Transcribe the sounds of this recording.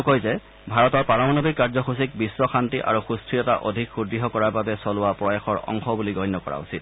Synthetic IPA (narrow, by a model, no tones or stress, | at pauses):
kojzɛ | bʱaɹɔtɔɹpaɹɔmɔnɔbikːaɹzɔxusik̚bisːɔxantiʔa̰ɹuxustɹijɔta̰ʔodʱikxudɹiɦɔkɔɹaɹbabɛsɔlʊwapɹɔjaxɔɹɔ̰ŋxɔbuliɡɔjnːɔkɔɹa̰usit̚